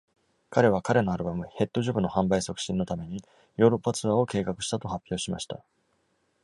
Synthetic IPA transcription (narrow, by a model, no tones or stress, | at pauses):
kaɾe̞β̞akaɾe̞no̞aɾɯ̟bamɯ̟he̞t̪ːo̞ʑobɯ̟no̞hãmbaiso̞kɯ̥ɕĩnːo̞t̪ame̞ɲ̟i | jo̞ːɾo̞pːat͡sɨβaːo̞ke̞ːkakɯ̟ɕi̥t̪at̪o̞hapʲːjo̞ːɕima̰ɕi̥t̪a̰